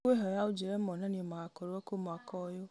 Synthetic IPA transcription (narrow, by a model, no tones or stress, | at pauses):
weɦɔjaud͡ʒiɾemɔnanimaakɔɾoɔkomɔakɔjo